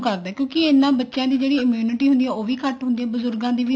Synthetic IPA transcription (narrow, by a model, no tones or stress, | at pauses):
kəɾd̪aːkjõːkɪenːãːbətːʃjãːd̪iːd͡ʒeːɽiːɪmjuːnɪʈiːɦʊ̃nd̪iːɛːoːʋiːkəʈɦʊnd̪iãːbʊzʊɾɡãːd̪iːʋiː